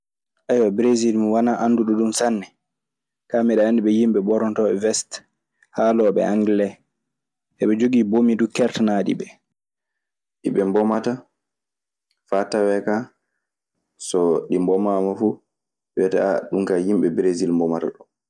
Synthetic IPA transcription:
ʔajwabɾezilmiwanaʔanduɗɔɗumsanːɛ | kamiɗɛandiɓɛjimɓɛbɔɾɔntɔɓɛvɛst | haːlɔɓɛ̰ʔaŋɡlɛ | ɛɓɛd͡ʒoɡiːbomidukɛɾtanaːɗḭbɛ | ɗḭɓɛmbɔmata | fatawɛka | sɔɗimbɔmaːmafu | wɛtaa̰ɗuŋkajimɓɛbɾezilmbɔmata̰ɗɔ

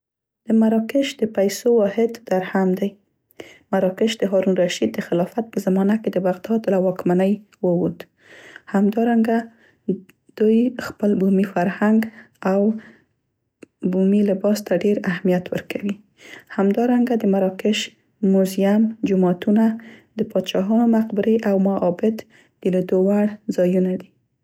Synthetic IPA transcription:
d̪̥əmaɾɑkɪʃd̪əpajsowɑhɪd̪d̪aɾhamd̪aj | maɾɑkɪʃd̪əɦɑɾunɾaʃid̪̚d̪ːəxɪlɑfat̪̚pəzamɑnaked̪əbaɣd̪ɑd̪lawɑkmanəj | wəwud̪ | hamd̪ɑɾaŋɡa | d̪̥ujxpəlbumifaɾhaŋɡ | aw | bumilɪbɑst̪aɖeɾahmijat̪wə̰ɾkʰawi | hamd̪ɑɾaŋɡad̪əmaɾɑkɪʃ | mʊzijamd͡ʒʊmɑt̪unad̪əpɑd̪ʃɑɦɑnomaqbɪɾeʔawmaʔːbɪt̪ | d̪̥əlid̪owaɽzɑjunad̪i

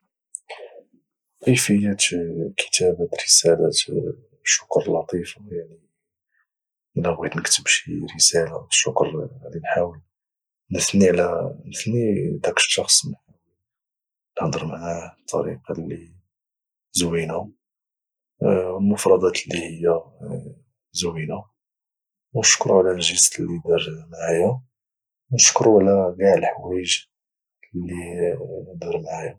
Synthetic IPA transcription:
qəjfəjːat̪kʰə̥t̪ʰæbæt̪ɾəsælat̪ | ʃːʊ̥kɾˤlɑt̪ˤifajaʕni | ʔəlæbɣid̪nəkt̪əbʃiɾəsælaʃːʊkɾʕd̪inħawəl | nəθnilænəθnid̪ækə̥ʃːɑxsˤnħaw | nəhd̪ˤəɾmaʕat̪ʰˤːɑ̰ɾḭqɑli | zwinu | lmʊfɾˤɑd̪ˤɑt̪lːihəjːa | zuwina | wnʃkɾuʕlælʒəslid̪iɾmaʕaja | wnəʃkɾuʕlæɡaʕəlħwæʒ | lːi | d̪iɾmaʕj

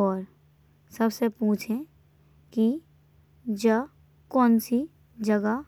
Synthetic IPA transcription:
ɔːɾ | sɐbsepũːt͡ʃʰẽ | ki | d͡ʒə | kɔːnsi | d͡ʒɐɡa

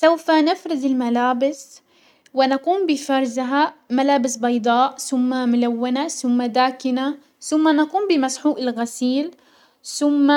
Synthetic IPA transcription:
sawfanɪfɾˤɪd̪ɪlmalaːbɪs | wɪnaquːmbɪfɑɾˤzɪɦamalaːbɪsbɑjd̪ˤɑːʔθʊmːamʊlawːanaθʊmːad̪aːkɪna | θʊmːanaquːmbɪmasħuːʔɪlɣasiːl | θʊmːa

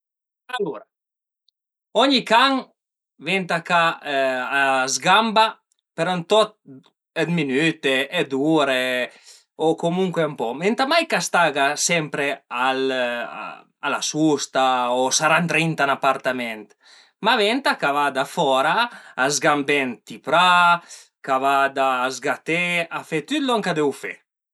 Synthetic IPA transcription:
aluɾa | ɔɲikaŋ | vɛnt̪akaazɡamba | peɾɔnt̪ɔt̪̚ | ed̪minyt̪eʔːd̪uɾe | okomuŋkweampɔmɛnt̪amajkast̪aɡasɛmpɾeal̰ | alasust̪aosaɾant̪ɾint̪anapaɾt̪amɛnt̪ | mavɛnt̪akavad̪afɔɾaazɡambɛnt̪ipɾa | kavad̪azɡat̪eafet̪yt̪lɔŋkad̪ɛwfḛ

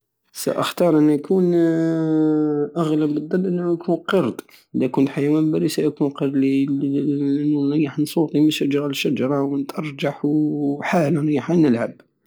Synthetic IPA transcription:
sæ̰ʔə̰xt̪ɑɾˤʔənːæjkʰun | ʔaɣləbːəd̪ˤːɑlːʔənːhujkʰunqəɾˤd̪ | d̪ækunħajæwæmbæɾisæjkunqəɾli | uɾijːaħnsˤut̪ˤiməʃad͡ʒɾˤɑlʃːad͡ʒɑɾˤɑwənt̪ʔɑɾˤd͡ʒɑħwħalaɾjːħanəlʕab̚

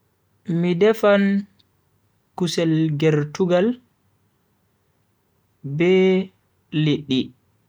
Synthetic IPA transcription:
midɛfan | kusɛlɡɛɾtuɡal | bɛː | eɗːi

